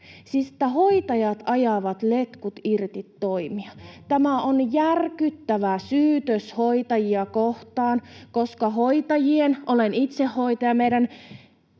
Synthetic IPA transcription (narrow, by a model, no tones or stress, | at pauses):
siset̪ːæɦoit̪ɑjɑt̪ɑjɑʋɑt̪let̪kut̪irt̪it̪ːoimiɑt̪æmæonjærkyt̪ːæʋæsyːt̪øshoit̪ɑjiɑkoht̪ɑːnkoskɑɦoit̪ɑjienolenit̪sehːoit̪ɑjɑmeiɾæn